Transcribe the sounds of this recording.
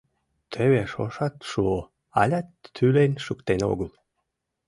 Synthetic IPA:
t̪ʰeβeʃoʃɑt̪ʃuo | ɑlʲɑt̪ːʰylenʲʃukt̪eno̰ɣəl

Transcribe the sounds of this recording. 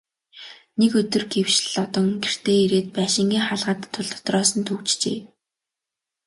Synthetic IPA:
nekɵt̪ɵ̆rɡewʃɮɮɔt̪ɞ̆ŋɡer̥t̪ʰeːiɾeːt̪̚pæːʃɪ̆ŋɡiːŋχaɮʁə̆t̪ʰːʊɮt̪ʊ̥t̪rɔːsə̆nt̪ʰukt͡ɕt͡ɕḛː

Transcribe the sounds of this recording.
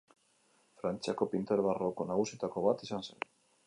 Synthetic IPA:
fɾant͡ʃakopint̪eɾβarokonaɣusit̪ako̞βat̪isansḛn

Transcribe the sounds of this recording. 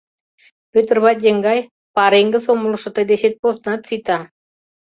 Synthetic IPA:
pʲøt̪ə̆rβɑt̪ʲjə̆ŋɡɑj | pɑɾeŋɡə̆soməlɤʃɤ̆t̪ə̆jd̪eɕet̪̚posnɑt̪sit̪ɑ

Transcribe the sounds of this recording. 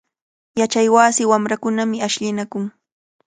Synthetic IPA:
jat͡ʃajwaːsɪwamɾakʊnamɪaʃʎɪnakʊŋ

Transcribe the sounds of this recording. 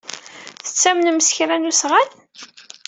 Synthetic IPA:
θə̥t͡sːæmnməsçɾænusʁaθ

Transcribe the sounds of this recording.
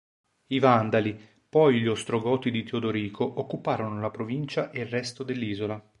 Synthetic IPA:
ivand̪ali | pɔjʎost̪ɾoɡɔːt̪id̪it̪eod̪oɾiːkʰoʔokːupaːɾonolapɾovint͡ʃaʔelrːɛst̪od̪elːiːzola

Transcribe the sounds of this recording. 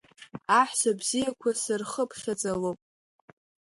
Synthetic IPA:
aħʷsabzijakʷʰasɨrχəpʰχʲad͡zʼalopʼ

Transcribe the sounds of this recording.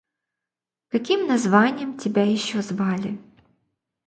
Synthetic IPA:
kɐkʲimnɐzʋɑnʲːɐmtʲibɛjiʃɔzʋɑlʲɪ

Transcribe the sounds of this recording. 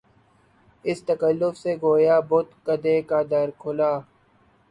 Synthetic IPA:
ɪst̪əkəlːʊfseɡoːjaːbʊt̪kəd̪eːkaːd̪əɾkʰʊlaː

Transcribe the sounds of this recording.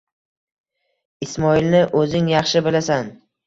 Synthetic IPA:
ɪsmɒilnɪʔɵzɪŋjɑχʃɪbɪlasan

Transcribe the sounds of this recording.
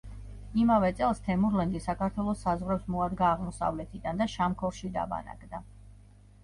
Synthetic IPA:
imavɛt̪sʼɛlˠst̪ʰɛmuɾlɛnɡ̪isakʰaɾt̪ʰwɛlˠɔsːazʁɾɛpsmɔad̪ɡaːʁmɔsa̰vlɛt̪ʰid̪and̪aʃamkʰɔɾʃid̪a̰ba̰na̰ɡʰʼd̪a

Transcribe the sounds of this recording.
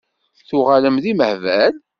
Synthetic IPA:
θʊʁæləmðiməhvæl

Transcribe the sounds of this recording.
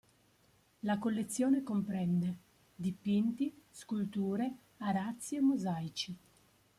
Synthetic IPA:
lakolːet̪sːjoːnekompɾɛnd̪e | d̪ipint̪iskult̪uːɾe | aɾat̪sːiemːozajt͡ʃi

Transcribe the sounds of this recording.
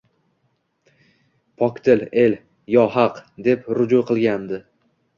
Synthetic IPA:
pʰɒkʲt̪ʰɪle̞l | jɒɦɑqd̪e̞pɾʊd͡ʒuqʰɨlˠɡʲand̪ɪ

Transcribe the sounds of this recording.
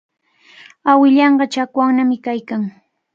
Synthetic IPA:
awɪʎɑɴɢɑt͡ʃakwaŋnamɪkajkaŋ

